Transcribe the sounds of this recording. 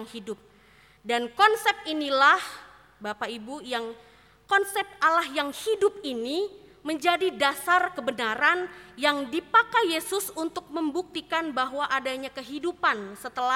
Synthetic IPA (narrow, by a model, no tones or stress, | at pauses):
ŋhidʊp̚ | dankɔnsɛp̚inilah | bapaibujaŋ | kɔnsɛp̪̚alahjaŋhidʊp̚ini | məɲd͡ʒadidasarkəbənaɾanjaŋdipakajesʊsunt̪ʊk̚məmbuk̚t̪ikanbaɦwaʔadaɲakəɦidupansət̪əla